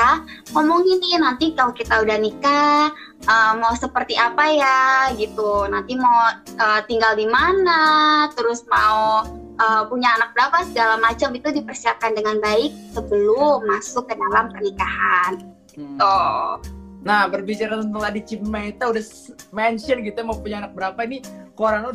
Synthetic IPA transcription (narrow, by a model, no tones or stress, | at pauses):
amɔmɔŋinɪhnant̪ikalokit̪audahnika | əːmausəpərt̪iʔapajaɡit̪unant̪imau | ʔət̪iŋɡaldimanat̪əɾʊsmau | ʔəːpuɲaːnak̚bəɾapasəɡalamat͡ʃamit̪udipərsiap̚kandəŋanbaɪk̚səbəlumasʊkːədalampərnikaɦanɡit̪u | nahbərbit͡ʃaɾat̪ənt̪əŋtadit͡ʃimait̪audah | mɛnsɔnɡit̪ujamaupuɲaːnak̚bəɾapainikoɾanu